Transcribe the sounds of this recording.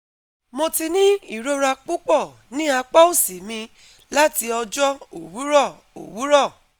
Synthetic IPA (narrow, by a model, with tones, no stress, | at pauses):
mo˧ti˧nĩ˦i˦˨ɾo˦ɾa˧k͡pu˦k͡pɔ˦˨ | nĩ˦a˧k͡pa˦o˦˨si˨mĩ˧ | la˦ti˧ɔ˧d͡ʒɔ˦o̰˨wu˨˦ɾɔ˦˨ | o̰˨wu˨˦ɾɔ˦˨